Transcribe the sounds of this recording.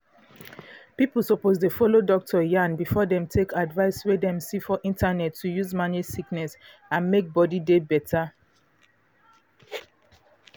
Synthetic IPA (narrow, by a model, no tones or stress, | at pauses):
pipl̩ˠsopozdefɔlodɔk̚tʰɔjãnbifɔdɛ̃mtʰekʰadvaɪswedɛ̃msifɔʔĩntʰanɛtʰːujuzmanisiknɛs | ãnmek̚bɔdidebɛtʰa